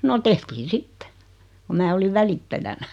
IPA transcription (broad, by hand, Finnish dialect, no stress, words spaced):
no tehtiːn sitːe ku mæː oliʋ ʋælitːæjænæ